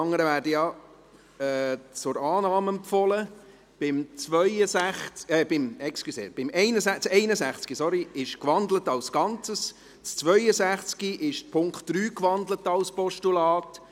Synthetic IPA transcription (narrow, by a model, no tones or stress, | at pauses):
ɑŋːəɾəvæːɾdəjɑ | ɛːt͡sʊɾɑːnɑːmɛmpfɔlə | b̥ɪmt͡svœʏəsæχɛːbɪmɛkskisḛːb̥ɪmɛɪnəsæt͡sɛɪnəsæχt͡skisɔɾiɪʃkʋɑnd̪lətɑlsɡ̥ɑnt͡səs | t͡st͡sʋœʏəzæχt͡skiʔɪʃpʰʊŋktd̥ɾyːkʋɑndlətɑlspɔʃtulɑːt